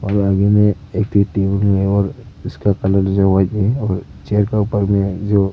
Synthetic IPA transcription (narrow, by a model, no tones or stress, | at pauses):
ɔːɾaɡemẽ | eːk̚t̪ʰiʈeːbəlmẽɔːɾɪskakɐləld͡ʒoʋat̪iɔːɾ | t͡ʃeəɾkaʊpəɾmẽd͡ʒoː